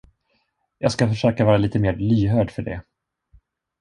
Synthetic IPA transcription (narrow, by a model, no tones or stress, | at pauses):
jɑːɡskafœʂøːkavɑːɾaliːt̪əmeːɾlyːɦœːɖfœɖɛ̰